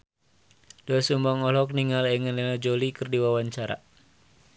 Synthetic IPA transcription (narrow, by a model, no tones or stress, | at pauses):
d̥oasumbaŋɔlɔk̚niŋalɛŋənlɛnad͡ʒolikərdiwawaɲt͡ʃaɾa̰